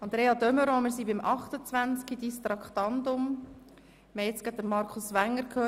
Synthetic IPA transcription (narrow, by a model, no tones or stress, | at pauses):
ɑnd̪ɾeːɑd̪œməɾoːmɪɾsibɪmʔɑχtət͡sʋænt͡skidist̪ɾɑkχt̪ɑnd̪ʊm | mɛjɛt͡skadəɾmɑɾkʰʊsʋæŋːəɾkʰøː